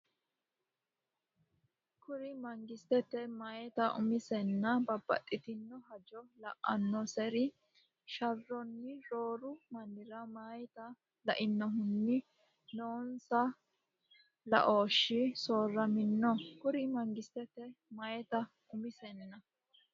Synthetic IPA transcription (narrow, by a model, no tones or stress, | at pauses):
kʊɾɪmɐŋɡɪst̪ɛt̪ɛmɐjɛt̪ɐʔʊ̰mɪsɛnːɐbɐbːɐ̰tʼːɪt̪ɪnːɔɦɐd͡ʒɔlɐʔːɐnːɔsɛɾɪ | ʃɐrːɔnːɪɾoːɾʊmɐnːɪɾɐmɐjt̪ɐ | lɐʔɪnːɔɦʊnːɪ | noːnsɐ | lɐ̰ʔo̞ːʃːɪsoːrːɐmɪnːɔkʊɾɪmɐŋɡɪst̪ɛt̪ɛmɐjɛt̪ɐ | ʔʊmɪsɛnːɐ